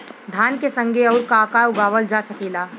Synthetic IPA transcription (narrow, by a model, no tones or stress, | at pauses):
d̪ʱaːnkesə̃ŋɡʱeɔːɾkaːkaʊɡaːʋəld͡ʒaːsɐkiːlaː